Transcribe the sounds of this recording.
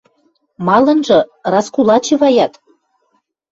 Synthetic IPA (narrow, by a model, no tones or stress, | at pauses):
mɑlɤ̆nʒɤ̆rɑskulɑt͡ɕeβɑjɑt̪